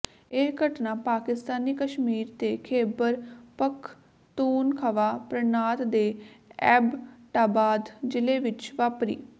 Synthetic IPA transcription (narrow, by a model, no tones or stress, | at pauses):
ekəʈnãːpaːkɪst̪aːniːkəʃmiːɾt̪eːkʰeːbəɾpəkʰ | t̪uːnkʰəʋaːpɾənaːt̪d̪eːɛːbʈaːbaːd̪d͡ʒɪleːʋɪt͡ʃʋaːpɾḭː